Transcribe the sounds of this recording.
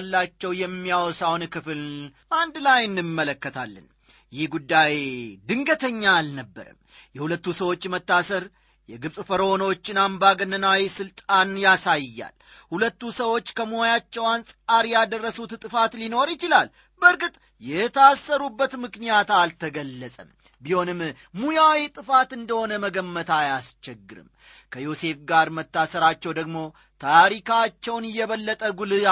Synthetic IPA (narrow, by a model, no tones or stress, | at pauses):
lːat͡ʃːɛwjɛmːijawɔsawnkɨfɨl | ʔand̪lajɨnːɨmːələkːət̪ʰa̰lːə̰n | jɪhɡud̪ːajd̪ɨŋɡət̪ʰəɲːaːlnəbːə̰ɾə̰m | jɛhulət̪ːusəwo̞t͡ʃːmət̪ːasəɾ | jɛɡɨβsʼɨfəɾəhonəwot͡ʃːɪnambaɡənːənawisɨlt̪ʼanjasajjːa̰l | hulət̪ːusəwo̞t͡ʃːkʰəməojat͡ʃːɛwansʼaɾjad̪ərːəsut̪t̪ʼɨfat̪lino̞ɾjɪt͡ʃɪlal | bəɾɡɨt̪ʼ | jɛt̪ʰəaːsːəɾubːət̪mɨknijat̪alt̪ʰəɡəlːəsʼəm | biho̞nɨmː | ujawit̪ʼɨfat̪ɨnd̪əho̞nəməɡəmːət̪ʰajast͡ʃɛɡːɨɾɨ̰m | kʰəjo̞se̞fɡaɾmət̪ːasəɾat͡ʃːɛwd̪əɡmo̞ | t̪ʰaɾikat͡ʃːɛwnɪjːɛβəlːət̪ʼəɡulɨ